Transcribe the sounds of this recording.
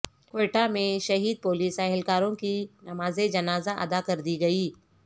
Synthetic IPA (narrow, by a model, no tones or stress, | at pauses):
kweːʈamẽʃɐɦiːd̪̚poːliːsɛɦɛlkaːɾõkinɐmaːzed͡ʒɐnaːzaʔɐ̰d̪akɐɾd̪iɡɐiː